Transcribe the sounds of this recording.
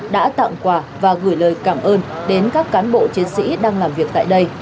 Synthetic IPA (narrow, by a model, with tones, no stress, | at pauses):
ɗa̰ː˧˥t̪a̰ː˧˨ŋ͡mkwaː˧˩vaː˨˩ɣɨː˧˩jləː˨˩jkaː˧˩mʔəː˧nɗe˨˦nkaː˦˥kːaː˨˦nɓo̰˧˨t͡ɕi˨˦ənsḭ˧˥ɗaː˧ŋlaː˨˩mvi˨˩ək̚t̪a̰ː˧˨jɗə˧j